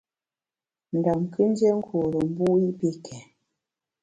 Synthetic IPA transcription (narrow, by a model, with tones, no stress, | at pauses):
n̩˨da˨mkʰɨ˦n˦d͡ʒe˦ŋ̩˦kʰo˨ɾə˨m̩˦bu˦i˦pe˦kʰɛ˨